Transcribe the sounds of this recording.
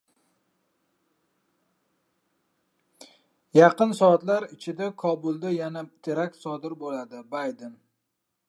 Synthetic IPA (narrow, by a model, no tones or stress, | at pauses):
jɑqɨnsɒat̪laɾɪt͡ʃʰɪd̪akʰɒbʊlˠd̪ajanat̪ʰeɾak̚ʲt̪sɒd̪ɪɾbolad̪ɪbajd̪en